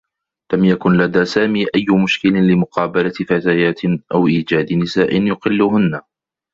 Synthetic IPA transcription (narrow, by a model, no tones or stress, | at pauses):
lamjakʊnlad̪aːsaːmiːʔajːʊmʊʃkɪlɪlɪmʊqɑːbalafat̪aːjaːt̪ɪʔawʔiːd͡ʒaːd̪ɪnɪsaːʔɪnjʊqɪlːʊɦʊnːa